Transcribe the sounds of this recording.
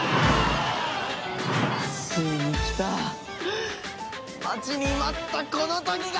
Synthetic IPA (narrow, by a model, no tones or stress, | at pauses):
aɕeɲikʲi̥t̪a | mat͡ɕiɲimat̪ːako̞not̪okʲiɡ